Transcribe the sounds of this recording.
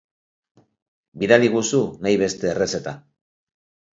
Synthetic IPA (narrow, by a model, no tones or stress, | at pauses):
biðaliɣusunajβ̞e̞st̪e̞ːre̞se̞t̪a